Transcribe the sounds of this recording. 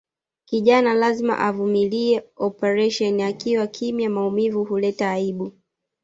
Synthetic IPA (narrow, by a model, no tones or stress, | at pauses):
kiʄanalazima̰ʔavumiliɛɔpɛɾɛʃɔniakiwakʰimijamaumivuhulɛtaːiɓu